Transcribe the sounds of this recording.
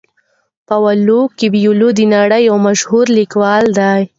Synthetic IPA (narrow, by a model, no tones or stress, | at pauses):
pawalukibjulud̪inaɽajawmaʃhuɾlikwɑld̪aj